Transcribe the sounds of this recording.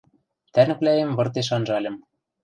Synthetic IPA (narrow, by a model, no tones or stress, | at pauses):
t̪ænɘ̆klæjĕmβɤ̆rt̪eʃ̬ɑnʒɑlʲɤ̆m